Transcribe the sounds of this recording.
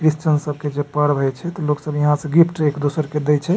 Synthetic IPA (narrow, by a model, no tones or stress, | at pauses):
kɾist͡ʃənsəb̚ʱked͡ʒepəɽbʱɛjt͡ʃʰɛt̪ɔloksəbjəɦãsə̃ɡipʰʈʰekd̪osəɾked̪ɛt͡ʃʰɛ